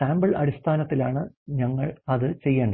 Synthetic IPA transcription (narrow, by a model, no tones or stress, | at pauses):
aːmbɐɭɐ̰ɽist̪ʰaːnɐt̪ːilaːɳɨ | ɲɐŋːɐɭɐðɨt͡ɕe̞jːeːɳɖɐ